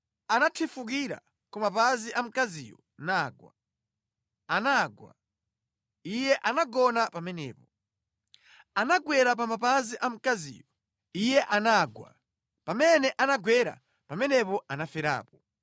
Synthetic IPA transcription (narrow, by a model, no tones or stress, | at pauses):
anatʰifuk̬iɾa̰ | kumapaziʔam̩kazḭːjɔ̰ | naːɡwa̰ | anaɡwa̰ | ijɛʔanaɡɔnapamɛnɛ̰ːpɔ | anaɡwɛɾap̬amapaziʔam̩kazḭːjɔ | ijɛʔanaɡwa̰ | pamɛnɛʔanaɡwɛɾa̰ | pamɛnɛpɔʔanafɛɾa̰ːpɔ